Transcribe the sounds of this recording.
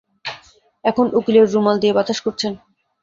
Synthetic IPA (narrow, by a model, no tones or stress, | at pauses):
ɛkʰonʔukleɾːumald̪iebat̪aʃkoɾt͡ɕʰen